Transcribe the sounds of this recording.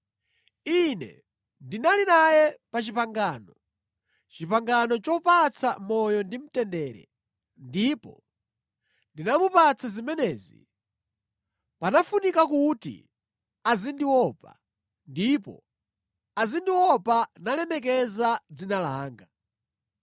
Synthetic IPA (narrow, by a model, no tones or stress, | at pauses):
inɛ̰ | ndinalinajɛpat͡ʃipaŋɡaːnɔ | t͡ʃipaŋɡanɔt͡ʃɔpat͡sʰamɔjɔndim̩tɛndɛːɾɛ̰ | ndipɔ̰ | ndinamupat͡sʰazimɛnɛːzḭ | panafunikakutḭ | azindiwɔpa̰ | ndipɔ̰ | azindiwɔpanalɛmɛkɛzad͡zinalaːŋɡa